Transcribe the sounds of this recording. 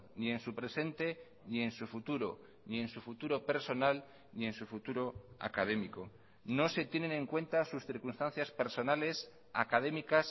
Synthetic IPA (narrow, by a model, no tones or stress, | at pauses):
nie̞nsupɾe̞se̞nt̪e̞ | nie̞nsufut̪uɾo̞̰ | nie̞nsufut̪uɾo̞pe̞ɾso̞nal | nie̞nsufut̪uɾo̞a̰kað̞e̞miko̞ | no̞se̞t̪je̞ne̞nẽ̞ŋkwe̞nt̪asusθiɾkunst̪ãnθjaspe̞ɾso̞nale̞s | a̰kað̞e̞mikas